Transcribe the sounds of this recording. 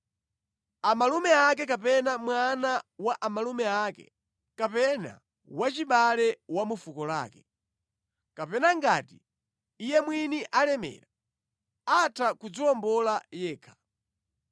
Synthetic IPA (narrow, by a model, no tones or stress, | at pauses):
amalumɛak̬ɛk̬apɛnamwanawaʔamalumɛakɛ̰ | kapɛna̰ | wat͡ʃiɓalɛwamufukɔla̰ːkɛ̥ | kapɛnaŋɡaːtiː | jɛmwiniʔalɛmɛ̰ːɾa | atʰakud͡ziɔmbɔlajɛːkʰḁ